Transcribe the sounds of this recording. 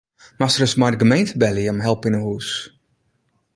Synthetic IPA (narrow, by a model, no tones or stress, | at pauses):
masərəsmajdəɡəmejntəbɛliəmɦɛlˠpɪnəɦuːs